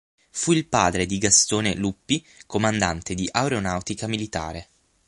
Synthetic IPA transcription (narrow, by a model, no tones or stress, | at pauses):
fuilpaːd̪ɾed̪iɡast̪oːnelupːi | komand̪ant̪ed̪iʔawɾeonawt̪ikamilit̪a̰ːɾe